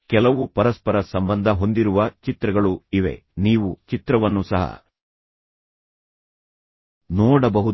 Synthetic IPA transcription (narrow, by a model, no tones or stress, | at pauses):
kɛlɐʋupɐɾɐspɐɾɐsɐmbɐnd̪ʱɐɦo̞nd̪iɾuʋɐt͡ʃit̪ɾɐɡɐɭuiʋe̞̰niːʋut͡ʃit̪ɾɐʋɐnːusɐɦɐ̰ | nɔːɽɐbɐɦu